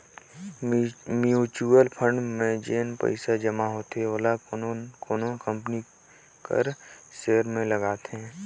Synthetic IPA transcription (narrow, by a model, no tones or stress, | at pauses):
mjut͡ʃuəlpʰə̃ɳɖmẽd͡ʒeːnpə̰ɪsad͡ʒəmaɦoːt̪eʋəlakoːnõkə̃mpni | kə̰ɾseːɾmẽləɡaːt̪ɛ̃ː